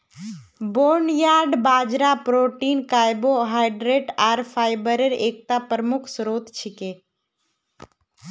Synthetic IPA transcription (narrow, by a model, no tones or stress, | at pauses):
boːɳjaːɾɖbaːd͡ʒɾapɾoːʈiːnkaːjboɦaːɪɖɾeːʈaːɾfʰaːɪbəɾeɾeːk̚t̪apɾəmʊkʰsɾoːt̪t͡ʃʰikeː